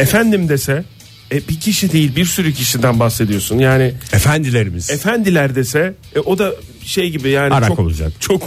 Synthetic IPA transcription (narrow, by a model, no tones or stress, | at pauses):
efænd̪imd̪e̞sɛ | ɛbicʰiʃid̪e̞jilʲbiɾsyɾycʰiʃid̪ænbaxse̞d̪ijo̞sunjaːnɪefænd̪ilʲeɾimiz̥efænd̪ilʲæɾd̪e̞sɛ | ɛʔo̞d̪aʃe̞jɟibijaːniaɾt͡ʃaoko̰lˠṵd͡ʒa̰kt͡ʃʰo̞k